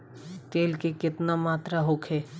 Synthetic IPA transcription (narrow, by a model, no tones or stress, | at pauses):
t̪eːlkekɪt̪namaːt̪ɾaɦoːkʰeː